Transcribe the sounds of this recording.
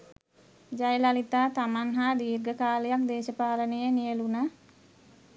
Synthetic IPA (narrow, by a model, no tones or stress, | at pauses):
d͡ʒajlalit̪aːt̪amanɦad̪iːrɡəkaːləjak̚d̪eːʃəpaːlənejənijəluna